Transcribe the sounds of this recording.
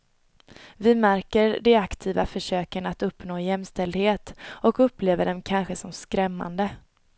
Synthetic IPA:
vɪmæɾkəɾɖɛakt̪ʰiːvafœʂøːkənat̪ɵpːnoːjɛmst̪ɛld̪heːt̪ɔkɵpːleːvəɖɛmkʰanɧəsɔmskɾɛmːa̰nd̪ə

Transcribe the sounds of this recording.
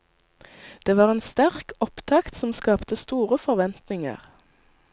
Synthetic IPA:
d̪̥eːʋɑːʁeːnst̪æʁkɔpt̪ʰɑkt̪sɔmskɑːpt̪əst̪uːʁəfɔʁʋɛnt̪nɪŋə̰ʁ

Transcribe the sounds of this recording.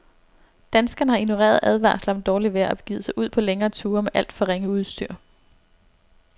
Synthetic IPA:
d̥ænsɡ̥ɐnəhɑ̈ino̝ʁḛːɐð̞ˠʔæð̞ˠʋɑ̰̈ːslɑ̽md̥ɒːliʋeæɒbe̥ɡ̥ḭːðˠsɑ̈ɪuð̞̰ˠpʰɒ̽leŋɐːt͡sʰuːɐmeʔæl̰d̥fɒ̽ʁeŋəuð̞ˠsd̥yɐ̰

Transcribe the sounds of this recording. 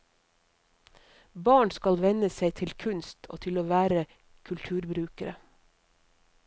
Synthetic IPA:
bɑːɳskɑlʋɛnəseɪt̪ʰɪlkʰʉnst̪ʰo̰ːt̪ʰɪloːʋæːɾə | kʰʉlt̪ʰʉːɾbɾʉːkəɾə

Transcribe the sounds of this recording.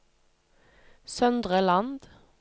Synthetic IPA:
sœnd̪ʁəlɑnd̪

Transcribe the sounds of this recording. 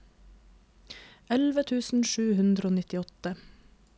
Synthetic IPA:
ɛlʋət̪ʰʉːsn̩ʃʉːhʉnd̪ɾəoːnɪt̪ɪɔt̪ə

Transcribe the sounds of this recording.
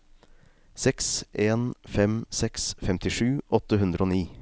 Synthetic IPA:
sɛksʔeːnfɛmsɛksfɛmt̪ɪʂʉːʔɔt̪əɦʉnd̪ɾəoːniː

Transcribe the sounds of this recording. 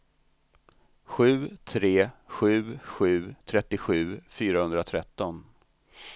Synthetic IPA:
ɧʉ̟ːt̪ʰɾeːɧʉ̟ːɧʉ̟ːt̪ʰɾɛt̪ːɪɧʉ̟ːfyːɾahɵnd̪ɾat̪ʰɾɛt̪ːɔn

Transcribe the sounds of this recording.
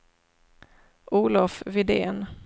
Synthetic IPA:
ʔuːlɔfvɪd̪ḛːn

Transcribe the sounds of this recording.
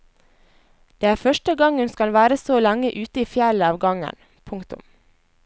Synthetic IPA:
d̪̥eːæːɾfœʃʈəɡɑŋhʉnskɑlʋæːɾəsoːlæŋəʔʉːt̪əiːfjæləɑːʋɡɑŋə̰n | pʰʊŋkt̪ʊ̰m

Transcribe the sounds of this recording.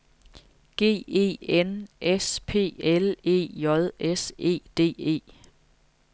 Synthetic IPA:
ɡ̥e̝̰ːe̝̰ːenʔespʰe̝̰ːele̝̰ːjɒ̽ðˠese̝̰ːd̥e̝̰ːe̝̰ː

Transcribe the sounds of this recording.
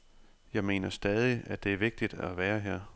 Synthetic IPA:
jɑ̈ɪme̝̰ːnɐsd̥ɛð̞ˠiæd̥e̝æɐʋe̝ɡ̥̚d̥id̥æʋæːɐɦeɐ̰

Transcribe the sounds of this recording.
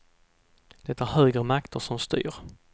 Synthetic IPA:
d̪̥ɛt̪ːæɾhøːɡɾəmakt̪əʂɔmst̪y̰ːɾ

